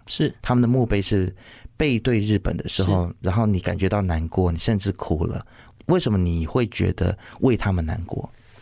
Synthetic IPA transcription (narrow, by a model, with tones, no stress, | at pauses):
ʂɻ̩˥˩t̪ʰa˥mə˨nd̪ə˩mu˥˧pe˥˧ɪʂɻ̩˥˧pe˥˧ɪt̪we˥˧ɪɻɻ̩˥˩pə̰˨˩nd̪ə˦ʂɻ̩˧˥xo˥˧ʊɻa˧˥nxo˥˩ʊni˨˩˦ka̰˨˩nt͡ɕɥɛ˧˥t̪ɑ˥˩ʊna˧˥nkwɔ˥˩ni˨˩ʂə˥˧nʈ͡ʂɻ̩˥˩kʰu˨˩lə̰˦ | we˥˩ɪʂə˧˥nmə˧ni˨˩xwe˥˩ɪt͡ɕɥɛ̰˧˥d̪ə̰˧wʔe˥˩ɪt̪ʰa˥mə˨na̰˧˥nkwɔ̰˥˩